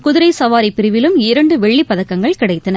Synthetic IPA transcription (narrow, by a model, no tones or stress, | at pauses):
kʊðɪɾɐɪsɐʋaːɾɪpːɪɾɪʋɪlɯmɪɾɐɳɖɯʋɛɭːipːɐðɐkːɐŋɡɐɭkɪɽɐɪt̪ːɐnɐ